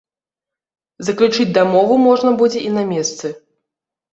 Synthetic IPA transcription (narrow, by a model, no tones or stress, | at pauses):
zɐklʲut͡ʂɨd͡zʲd̪amɔvumɔʐnɐbud͡zʲɛʔinamʲɛst̪sɨ